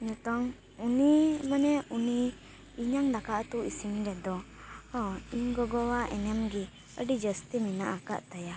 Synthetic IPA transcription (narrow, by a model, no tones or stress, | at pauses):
ɲɔt̪ɔŋ | unimanɛuniː | ɲaŋd̪akaʔt̪uʔisimɾɛd̪ɔ | ɔiɲɡɔɡɔwaʔɛnɛmɡi | ə̰ɖid͡ʒəst̪iminaʔaka̰ʔt̪aja